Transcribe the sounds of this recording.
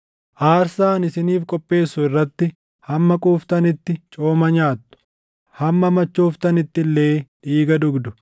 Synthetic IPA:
ʔaːɾsaːnɪsɪniːfkʼɔpʼːe̞ːsːʊɪrːɐt̪ːɪ | hɐmːɐkʼuːft̪ɐnɪt̪ːɪt͡ʃʼo̞ːmɐɲaːt̪ːʊ̥ | hɐmːɐmɐt͡ʃːoːft̪ɐnɪt̪ːɪlːeːᶑiːɡɐd̪ʊɡd̪ʊ

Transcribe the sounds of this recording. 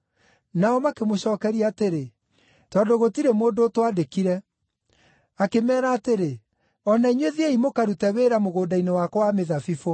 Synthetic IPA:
naɔmakemoɕɔːkɛɾiaːteɾe | tɔːndoɣotiɾemoːndoːtwadekiɾɛ | akemɛːɾaːteɾe | ɔnaiɲweðieimokaɾutɛweɾamoɣoːdainewakɔwameðafifo

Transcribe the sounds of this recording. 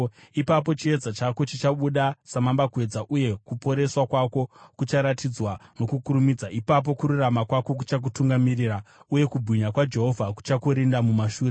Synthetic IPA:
ipap̬o̞t͡ʃie̞d͡zat͡ʃako̞t͡ʃit͡ʃaɓuɗasamambakue̞d͡zaʔuje̞kupo̞ɾe̞swakwako̞kut͡ʃaɾatid͡zwano̞kukuɾumid͡zaipap̬o̞kuɾuramakwako̞k̬u̥t͡ʃak̬utuŋɡamiriːrauje̞kubʱwiɲakwad͡ʒe̞ɦo̞vʱaku̥t͡ʃakoɾindamumaʃuːre

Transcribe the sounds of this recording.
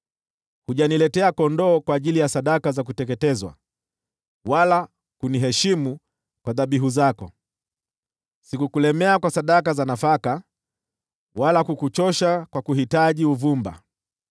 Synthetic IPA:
huʄanilɛtɛakɔndɔːkwaːʄilijasaɗakazak̬utɛk̬ɛtɛzwa̰ | wala | kuniɦɛʃimu | kwaðaɓiɦuzakɔ | sikukulɛmɛakwasaɗakazanafaka | walakukut͡ʃɔʃakwakuhitaʄiuvumba̰

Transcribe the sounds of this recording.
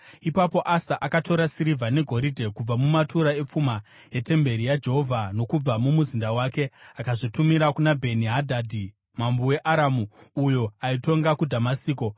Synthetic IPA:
ipapo̞ʔasaʔakato̞ɾasiɾivʱane̞ɡʱo̞ɾidʱe̞kub͡vamumatuɾae̞p͡fuma | je̞te̞mbe̞ɾijad͡ʒe̞ɦo̞vʱano̞kub͡vamumuzindawaːke̞akaʐitumiɾakunabʱe̞niɦadʱadʱi | mambuwe̞ʔaɾamuːjo̞aito̞ŋɡakudʱamasiːko̞

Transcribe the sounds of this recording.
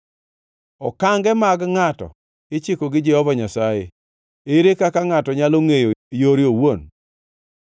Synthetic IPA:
ɔkaŋɡɛmaɡŋatɔ̰ | ɪt͡ʃɪkɔɡɪd͡ʒɛhɔvaɲasajḛ | eɾekakaŋatɔɲaloŋejojoɾɪowon

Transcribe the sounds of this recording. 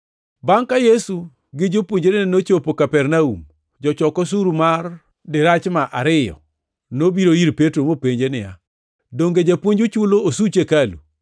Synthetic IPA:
baŋkajesu | ɡɪd͡ʒopwoɲd͡ʒenɪnot͡ʃopokapɛɾnaum | d͡ʒɔt͡ʃɔkɔs̬uɾumar | dɪɾat͡ʃmaʔaɾɪjɔ̰ | nobiɾoiɾpetɾomopeɲd͡ʒenɪja̰ | doŋɡed͡ʒapwoɲd͡ʒut͡ʃuloosut͡ʃekalṵ

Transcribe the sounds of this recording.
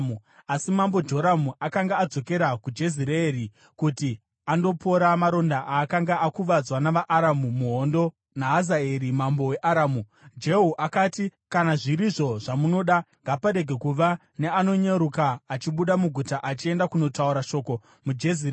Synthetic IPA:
uasimambo̞d͡ʒo̞ɾamuʔakaŋɡaːd͡zo̞ke̞ɾakud͡ʒe̞ziɾeːri | kuti | ando̞pʰo̞ɾamaɾo̞ndaʔaːkaŋɡaakuʋad͡zwanaʋaʔːɾamumuɦo̞ndo̞ | naɦazaeɾimambo̞we̞ʔaɾaːmu | d͡ʒe̞ɦuʔakaːtikanaʐiɾiʐo̞ʐamuno̞ːɗaŋɡapaɾe̞ɡʱe̞kuʋa | ne̞ano̞ɲeɾukaːt͡ʃiɓuɗamuɡʱutaʔat͡ʃie̞ndakuno̞tauɾaʃo̞ːko̞ | mud͡ʒeziɾe

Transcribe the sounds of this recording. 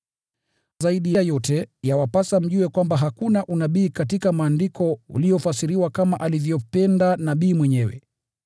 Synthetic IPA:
zaiɗijajɔtɛjawapasam̩ʄuɛkwambaɦakunaʔunaɓiːkatikamaːndikʰɔṵlijɔfasiɾiwakamaʔalivjɔpɛndanaɓiːmwɛɲɛwɛ̰

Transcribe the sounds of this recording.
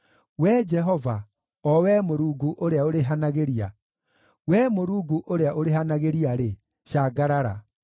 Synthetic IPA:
wɛd͡ʒɛɦɔva | ɔwɛmoɾuːɡuʔoɾeaoɾeɦanaɣeɾia | wɛmoɾuːɡuʔoɾeaʔoɾeɦanaɣeɾiaɾe | ɕaɡaɾaɾa̰

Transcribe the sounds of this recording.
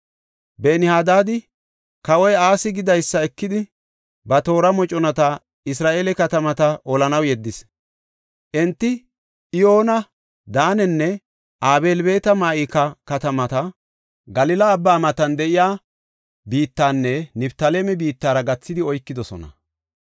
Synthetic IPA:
beːnɪhaːd̪aːd̪ɪ | kɐwɔjaːsɪɡɪd̪ɐjsːɐɛkːɪd̪ɪ | bɐt̪o̞ːɾɐmɔt͡ʃʼɔnɐt̪ɐ | ɪs̬ɾaːʔeːlɛkɐt̪ɐmɐt̪ɐɔlɐnɐwjɛd̪ːɪs | ʔɛnt̪ːɪ | ʔɪjo̞ːnɐ | d̪aːnɛnːɛ | ʔaːbeːlbe̞ːt̪ɐmaːʔɪkːɐkɐt̪ɐmɐt̪ɐ | ɡɐlɪlɐːbːaːmɐt̪ɐnd̪ɛʔɪjaː | biːt̪ːaːnːɛnɪbt̪ɐleːmɛbiːt̪ːaːɾɐɡɐt͡sːɪd̪ɪɔjkːɪd̪ɔsɔ̰nɐ̰

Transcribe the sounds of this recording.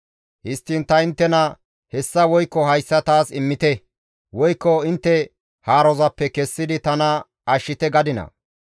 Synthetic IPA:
hɪst̪ːiːnt̪ɐɪnt̪ːɛnɐ | hɛsːɐwɔjkːɔɦɐjsːɐt̪aːsɪmːɪt̪ɛ | wɔjkːɔɪnt̪ːɛ | haːɾɔzɐpːɛkɛsːɪd̪ɪt̪ɐnɐ | ɐʃːɪt̪ɛɡɐd̪ɪnɐ̰

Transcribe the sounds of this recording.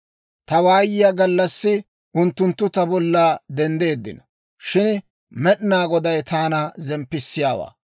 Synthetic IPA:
t̪ɐwaːjɪjɐɡɐlːɐsːɪ | ʔʊnt̪ːʊnt̪ːʊt̪ɐbɔlːaːd̪ɛnd̪e̞ːd̪ːɪ̰nɐ | ʃɪn | mɛɗnaːɡɔd̪ɐjt̪aːnɐzɛmpːɪsːɪjaːwa̰ː

